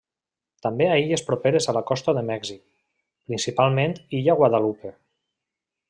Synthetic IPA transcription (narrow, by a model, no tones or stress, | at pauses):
t̪ambeaiʎespɾopeɾezalakɔst̪əðəmɛɡzik | pɾinsipalˠmẽnt̪iʎaɣwaðalupe